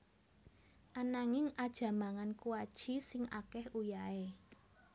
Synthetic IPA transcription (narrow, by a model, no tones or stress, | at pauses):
ʔanaŋɪŋad̥ʒ̥a̤maŋankuwad̥ʒ̥i̤sɪŋʔa̰kɛhujae